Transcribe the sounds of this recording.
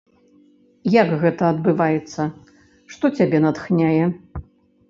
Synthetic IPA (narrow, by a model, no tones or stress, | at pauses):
jakɣɛt̪ɐːd̪̚bɨvajɛt̪sːɐ | ʂt̪ɔt͡sʲabʲɛnɐt̪xnʲajɛ